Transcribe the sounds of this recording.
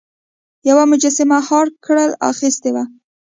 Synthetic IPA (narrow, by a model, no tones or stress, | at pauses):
jawamʊd͡ʒasɪmahɑɾkɽəla̰xist̪ewa